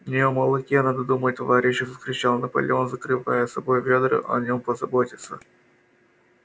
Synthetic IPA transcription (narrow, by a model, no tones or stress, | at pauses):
vnʲɪjoməlˠɨkʲenad̪əd̪umət̚ʲt̪ɐvaɾʲɪɕːɪvəskɾʲɪt͡ɕalˠnəpə̰lʲɪ̰onzəkɾɨva̰jəsɐbo̞jvʲed̪ɾɨ̰ʔɐ̰nʲo̞mpəzɐbotʲɪt̪sə